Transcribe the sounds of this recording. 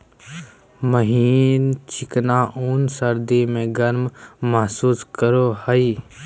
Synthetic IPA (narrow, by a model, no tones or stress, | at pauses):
məɦiːnt͡ʃʰɪknaːʔuːnsəɾd̪imẽɡɐɾmːɐɦsuːskəɾohəi